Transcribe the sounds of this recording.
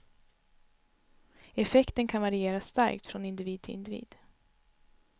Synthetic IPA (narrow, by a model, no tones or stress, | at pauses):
ɛfɛkt̪ənkʰanvaɾɪeːɾasːt̪a̰ɾkt̪fɾɔnɪnd̪ɪviːd̪t̪ʰɪlʔɪ̰nd̪ɪvḭːd̪̥